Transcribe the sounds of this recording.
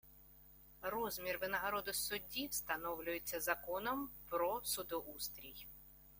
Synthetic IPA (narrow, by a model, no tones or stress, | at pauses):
rɔzmʲirʋɪnɐɦɐɾɔd̪ʊsʊdʲːiwst̪ɐnɔwlʲʊjet͡sʲːɐzɐkɔnɔmpɾɔsʊd̪ɔʔust̪ɾʲij